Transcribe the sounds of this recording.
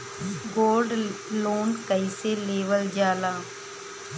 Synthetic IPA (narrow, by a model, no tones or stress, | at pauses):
ɡoːlɖloːnkɐɪseleːʋəld͡ʒaːlaː